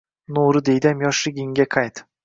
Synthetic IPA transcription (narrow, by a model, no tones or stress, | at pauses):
noɾɪd̪ejd̪amjɒʃlɪɡʲɪŋɡʲaqʰɑjt̪